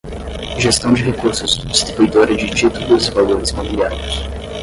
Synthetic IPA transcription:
ʒest̪ɐ̃w̃d͡ʒɪɦekuɾsʊzd͡ʒist̪ɾibujd̪oɾɐd͡ʒɪt͡ʃit̪ulʊzɪvaloɾɪzmabiliaɾjʊs

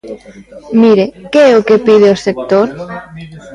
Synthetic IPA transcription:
miɾekeeokepiðeosek̚t̪oɾ

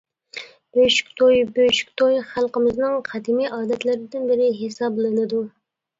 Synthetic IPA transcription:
b̥øʃy̥kʲt̪ʰojbøʃy̥kʲt̪ʰojχælˠqəmɪznɨŋχʰæd̪imijʔɑːd̪ɛt̪lɪɾɪd̪ɪnbɪɾɪɦesɑblˠɨnɨd̪u

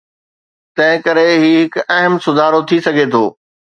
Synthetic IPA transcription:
t̪ɐ̃ɦɪ̃kɐɾeɦiɦɪkɐɦəmsʊd̪ʱaːɾot̪ʰisɐɡʱet̪ʰoː

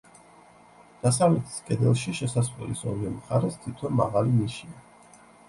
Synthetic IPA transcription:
d̪̥as̬avɛt̪ʰi̥skʼɛd̪ɛlˠʃiʃɛsasχʼɛ̰lisɔ̰ɾiɔmχaɾɛst̪ʰit̪ʰɔnma̰ʁaliniʃia

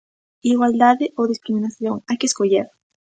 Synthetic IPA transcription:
iɣwald̪aðeʔoðiskɾiminasjoŋajkeskoʎeɾ

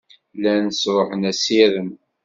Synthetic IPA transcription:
lænəsɾˤoħənæsiɾəm

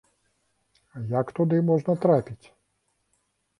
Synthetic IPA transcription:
jakt̪ʊd̪ɪmɔʒnɐt̪ɾapʲitʲ

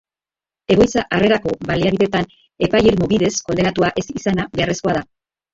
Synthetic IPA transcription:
e̞ɣojt͡saʔare̞ɾako̞βaliaβiðe̞t̪an | e̞pajeɾmuβiðe̞sko̞nd̪e̞nat̪uaʔe̞sisanaβe̞are̞sko̞aða

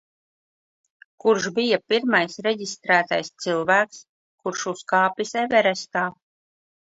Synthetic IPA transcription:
kuɾʒbijapiɾmajsɾɛɟist̪ɾæːt̪a̰jst̪sɨlˠvæːks | kuɾʃuskaːpʲisɛvɛɾɛst̪aː

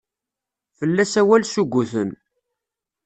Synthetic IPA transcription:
fəlːæsæwælsuɡʷːuθən

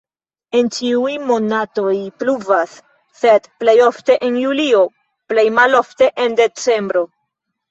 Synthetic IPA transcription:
e̞nt͡ʃiujmo̞nato̞jpluvasː | e̞dple̞jo̞fte̞ʔenjulio̞ | ple̞jmalo̞fte̞ʔende̞t͡se̞mbɾo̞

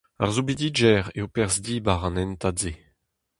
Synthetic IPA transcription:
a̰ʁzubid̪id͡ʒɛʁeopɛʁzdibaʁɑ̃nɛntadze

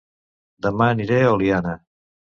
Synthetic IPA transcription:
d̪ɐmaːniɾeolijana

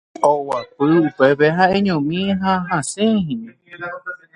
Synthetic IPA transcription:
owapɨupepeɦaẽɲõmĩɦaɦãsẽhĩɲĩ

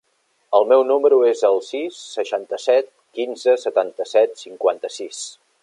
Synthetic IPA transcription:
əlˠmɛwnuməɾuezəlˠsisːəʃant̪əsɛt̪̚kinzəsət̪ant̪əsɛt̪siŋkwant̪əsis

